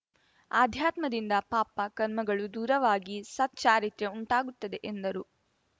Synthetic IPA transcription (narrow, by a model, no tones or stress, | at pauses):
aːd̪ʱjaːt̪mɐd̪ind̪ɐpaːpɐkɐɾmɐɡɐɭud̪uːɾɐʋaːɡisɐt̪̚t͡ʃaːɾit̪jɐuɳʈaːɡut̪ːɐd̪e̞ʔend̪ɐɾu